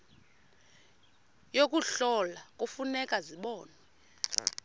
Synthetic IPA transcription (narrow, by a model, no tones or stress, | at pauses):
jokʼuɬɔlakʼufunɛkʼaziɓɔːnɛ